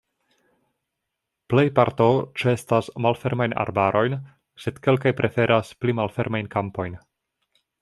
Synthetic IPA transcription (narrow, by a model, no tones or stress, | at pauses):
ple̞jpaɾto̞t͡ʃe̞stasmalfe̞ɾmajna̰ɾbaɾʔo̞jn | se̞d̥ke̞lkajpɾʔe̞fe̞ɾʔasplimalfe̞ɾmajnkampo̞jn